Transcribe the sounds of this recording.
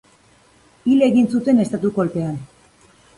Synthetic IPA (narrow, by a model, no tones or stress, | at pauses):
ile̞ɣinsut̪e̞ne̞st̪at̪uko̞lpe̞an